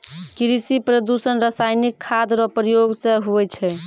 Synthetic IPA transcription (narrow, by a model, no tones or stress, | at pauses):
kiɾisipɾəd̪usənɾasajnikʰːad̪ɾɔpɾijoɡsẽɦuɛt͡ʃʰɛ